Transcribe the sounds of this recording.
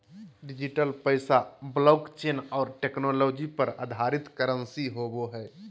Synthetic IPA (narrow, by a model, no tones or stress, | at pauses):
ɖɪd͡ʒiʈəlpəɪsablɔːkt͡ʃeːnɔːɾʈeːknoːloːd͡ʒipəɾa̰d̪ʱaɾɪt̪kəɾənsiɦoboɦɛː